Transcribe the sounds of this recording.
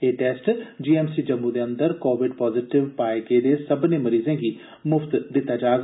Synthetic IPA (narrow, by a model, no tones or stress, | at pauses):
eːʈɛːsʈd͡ʒiːɛmsid͡ʒɐmːud̪eɐ̃nd̪əɾkoːʋɪɖpɔːzɪʈɪʋpaːeked̪esɐbnemɐɾiːzẽki | mʊft̪d̪ɪt̪ad͡ʒaːɡ